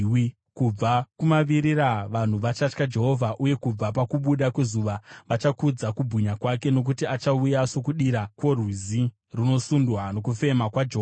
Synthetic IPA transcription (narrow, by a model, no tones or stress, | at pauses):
wi | kub͡vakumaʋiɾiɾaʋan̤uʋat͡ʃat͡ʃkad͡ʒe̞ɦo̞vʱaʔuje̞kub͡vapakuɓuɗakwe̞zuʋaʋat͡ʃakud͡zakubʱuɲakwake̞no̞k̬utiat͡ʃaujaso̞kuɗiɾakwo̞rwizi | rino̞sundwano̞kufe̞makwad͡ʒeɦoa